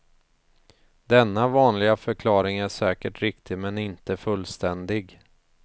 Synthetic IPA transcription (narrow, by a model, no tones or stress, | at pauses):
d̪ɛnːavɑːnlɪɡafœɾkʰlɑːɾɪŋæʂɛːkəʈɾɪkt̪ʰɪmɛnɪnt̪əfɵlːst̪ɛnd̪ɪɡ